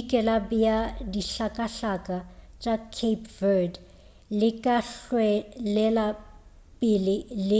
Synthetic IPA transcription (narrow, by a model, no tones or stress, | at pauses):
kʼɛlabjadiɬakʼaɬakʼat͡ʃʼakʰepʰvɛd | lɪkʼaɬwɛlɛla | pʼɪlɪlɪ